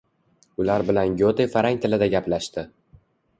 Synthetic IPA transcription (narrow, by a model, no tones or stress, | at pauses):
ʊlaɾbɪlanjʲot̪ʰefaɾaŋt̪ʰɪlɪd̪aɡʲaplaʃt̪ɪ